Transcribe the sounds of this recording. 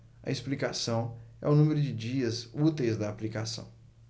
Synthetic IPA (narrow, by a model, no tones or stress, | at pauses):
ɐ̰esplikasɐ̃w̃ɛ̰ʊnũmeɾʊd͡ʒɪd͡ʒiɐzut̪ejzd̪ɐːplikasɐ̰̃w̃